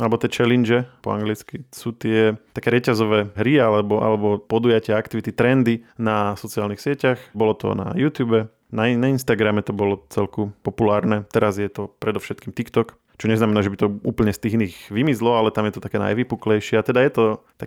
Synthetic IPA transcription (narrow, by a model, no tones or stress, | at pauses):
alɛbɔt̪ɛt͡ʃɛlind͡ʒɛpɔ̰a̰ŋɡlit͡skisuːt̪ɪɛt̪akɛːɾɛcazɔʋɛːɦɾialɛbɔʔa̰lɛbɔpɔd̪ujacɪaakt̪iʋit̪it̪ɾɛnd̪inasɔt͡siaːlnixsɪɛcaxbɔlɔt̪ɔ̰na̰juːt̪juːbɛ | nanainst̪aɡɾamɛt̪ɔbɔlɔt͡sɛlkupɔpulaːɾnɛt̪ɛɾazjɛt̪ɔpɾɛd̪ɔfʃɛt̪kiːmt̪ikt̪ɔk | t͡ʃɔɲɛznamɛnaːʒɛbit̪ɔuːpl̩ɲɛst̪iːɣniːɣʋimizlɔalɛt̪amjɛt̪ɔt̪akɛːna̰jʋipuklɛjʃɪɛat̪ɛd̪ajɛt̪ɔt̪a